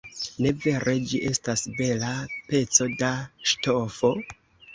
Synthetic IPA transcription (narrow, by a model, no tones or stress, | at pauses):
ne̞ve̞ɾe̞d͡ʒiʔe̞stasbe̞lape̞t͡so̞daʃto̞fo̞